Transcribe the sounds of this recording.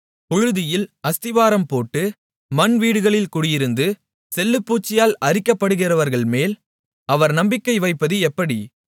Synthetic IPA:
pʊɻʊðɪjɪlɐst̪ɪʋaːɾɐmpoːʈːɯ | mɐnʋiːɽɯɣɐɭɪlkʊɽɪjɪɾɯnd̪ɯ | sɛlːɯpːuːt͡ʃːɪjaːlɐrɪkːɐpːɐɽɯɣɪrɐʋɐɾɣɐɭmeːl | ɐʋɐɾnɐmbɪkːɐɪʋɐɪpːɐðɯɛpːɐɽi

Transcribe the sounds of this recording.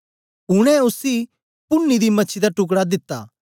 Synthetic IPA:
ɦʊɽ̃ɛʊsi | pʊnːid̪imɐːt͡ʃʰid̪aʈʊk̬ɽad̪ɪt̪ːa̰ː

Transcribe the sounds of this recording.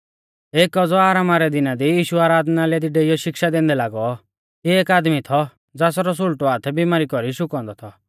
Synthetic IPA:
eːkːɔd͡zɔaːɾaːmaɾɛd̪ɪnad̪ijiːʃuaːɾaːd̪nalɛd̪iɖeijɔʃɪkʃad̪ɛ̃ːnd̪ɛlaːɡɔ | ieːkaːd̪mit̪ʰɔ | d͡zas̬ɔɾɔs̬ʊlʈɔaːt̪ʰɛbimaːɾikɔɾiʃʊkɔ̃ːnd̪ɔt̪ʰɔ

